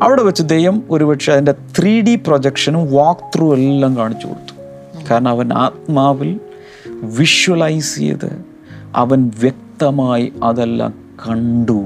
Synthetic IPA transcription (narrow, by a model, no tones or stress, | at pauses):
ɐʋiɽeʋɐt͡ɕːud̪ejʋɐmo̞ɾuʋɐʈʂeɐðinde̞t̪riːɖiprod͡ʑekʂɐnumʋoːkt̪ruːelːaːŋkaːɳit͡ɕːṵːɽt̪ːu̥ | kaːɾɐɳɐmɐʋɐna̰ːt̪̚maːʋil | ʋiʂwɐlɐjsḭjɐ̰ðɨ̰ | ɐ̰ʋɐnʋjek̚t̪ɐmaːjiɐðelːa̰ːm | kɐɳɖu